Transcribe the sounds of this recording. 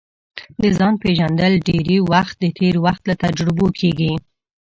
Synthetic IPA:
d̪əzɑnpeʒand̪əlɖeɾiwaxt̪̚d̪ət̪ʰeɾwaxt̪lat̪ad͡ʒɾɪbokʰeɡi

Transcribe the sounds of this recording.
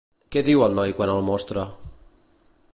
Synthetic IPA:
kɛðiwəlˠnɔjkwanəlˠmɔst̪ɾə

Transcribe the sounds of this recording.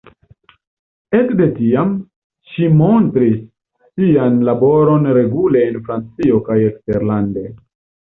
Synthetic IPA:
e̞kde̞tiam | ʃimo̞ntɾisː | ianlabo̞ɾo̞nɾe̞ɡule̞ːnfɾant͡sio̞kajeksteɾlande̞

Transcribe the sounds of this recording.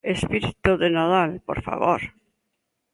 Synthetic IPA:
espiɾit̪uðenaðalpo̰ɾfa̰βo̰ɾ

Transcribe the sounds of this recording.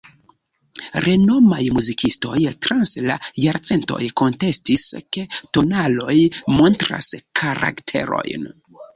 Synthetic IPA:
ɾe̞no̞majmuzikisto̞̰jtɾanslajaɾt͡se̞nto̰jko̞nte̞stiske̞to̞nalo̞jmo̞ntɾa̰skʰaɾa̰ktʰe̞̰ɾo̞̰jn

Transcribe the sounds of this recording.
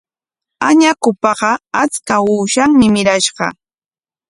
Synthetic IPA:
aɲakʊpɑɢɑat͡skauːʃaŋmɪmɪɾaʃɢɑ̰

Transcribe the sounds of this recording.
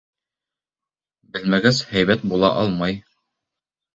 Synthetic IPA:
bɘ̆lmæɡæshæjβæt̪̚bulˠɑ̰ʔɑlˠmɑj

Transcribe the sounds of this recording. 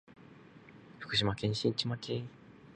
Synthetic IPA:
ɸɯ̥kɯ̟ɕ̬imakẽ̞ɲ̃ɕĩt͡ɕimakʰʲe

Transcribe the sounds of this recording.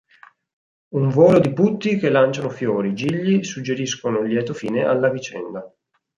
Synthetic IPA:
uɱvoːlod̪iput̪ːikelːant͡ʃanofjoːɾid͡ʒiʎːisud͡ʒːeɾiskonoljɛːt̪ofiːneʔa̰lːavit͡ʃɛ̰nd̪a

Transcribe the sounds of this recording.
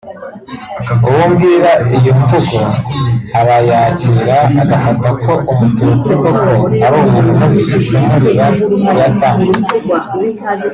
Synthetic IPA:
uwumɡiːɾaijomutokohaɾajaːciːɾaːɡafatako̞ʔumutut͡seko̞ko̞haɾoːmuːnhumokifisimuɾiɾajataːŋɡet͡se

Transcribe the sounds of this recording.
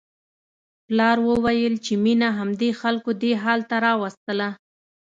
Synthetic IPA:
plɑɾwəwajəlt͡ʃeminaɦamd̪exalkod̪eɦɑlt̪aɾɑwast̪əla

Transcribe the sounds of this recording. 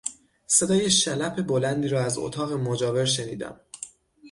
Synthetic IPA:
se̞d̪ɒːjeʃælæpʰe̞bo̞lænd̪iːɾɒːæzo̰t̪ʰɒːɣemod͡ʒɒːve̞ɾʃe̞niːd̪æ̰m

